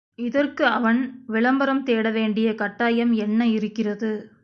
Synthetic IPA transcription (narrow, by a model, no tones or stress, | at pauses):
ɪðɐrkɯɐʋɐnʋɪɭɐmbɐɾɐmt̪eːɽɐʋeːɳɖɪjɐkɐʈːaːjɐmɛnːɐɪɾɯkːɪrɐðɯ